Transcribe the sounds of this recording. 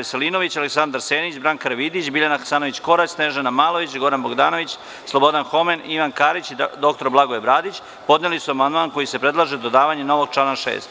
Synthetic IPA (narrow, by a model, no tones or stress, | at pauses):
eselino̞ʋit͡ɕaleksand̪aɾse̞ːnit͡ɕbɾaŋkaɾʋid̪it͡ɕbiʎanaxḁsaːno̞ʋit͡ɕko̞ɾat͡ɕsne̞ʒenamaːlˠo̞ʋit͡ɕɡo̞ɾanbo̞ɡd̪aːno̞ʋit͡ɕ | slˠo̞bo̞d̪anxo̞meniʋankaːɾit͡ɕid̪o̞k̚t̪o̞ɾblˠaɡoebɾaːd̪it͡ɕ | po̞d̪nelisuamand̪manko̞jise̞pɾe̞d̪lˠaʒed̪od̪aːʋaɲeno̞ʋo̞ɡ̚t͡ʂlanaʃḛːst̪